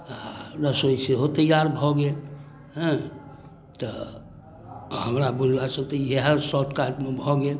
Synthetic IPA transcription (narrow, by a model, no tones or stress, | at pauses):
nəsoiseɦot̪ejaɾbʱɔɡe | ɦɛ̃ | t̪ɔ | həmɾabullasə̃t̪əjeɦəsɔʈkaʈmebʱɔɡe